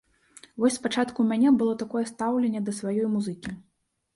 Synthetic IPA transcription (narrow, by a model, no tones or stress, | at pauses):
vɔsʲspat͡ʂat̪kumʲanʲɛbɨlˠɔt̪akɔjɛst̪awlʲɛnʲːɛd̪ɐsvajɔjmuzɨkʲi